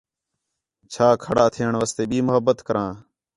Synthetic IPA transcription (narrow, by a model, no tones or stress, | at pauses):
t͡ʃʰaːkʰəɽaːt̪ʰeːəɳʋaːst̪eːɓiːmʊɦəbːət̪kəɾãː